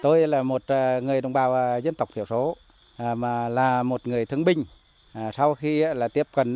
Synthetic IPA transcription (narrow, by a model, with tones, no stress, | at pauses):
t̪o˧jlaː˨˩mo˨˩t̚ːŋɨ˨˩əjɗə̰˧˨wŋ͡mɓaː˨˩wʔzə˧nt̪ə˨˩wk͡p̚t̪ʰi˧˨əwso˨˦˨ | maː˨˩laː˨˩mo˨˩t̚ŋɨ˨˩əjt̪ʰɨ˧əŋɓï˧ŋ̟˨˩ | sa˧wxi˧aː˧˦laː˨˩t̪i˦˥əp̚kə˨˩n